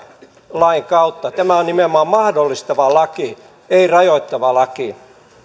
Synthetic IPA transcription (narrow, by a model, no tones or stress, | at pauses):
lɑiŋkɑut̪ːɑt̪æmæonnimeomːɑːˑmmɑhdolːist̪ɑʋɑlɑki | eirɑjoit̪ːɑʋɑlɑki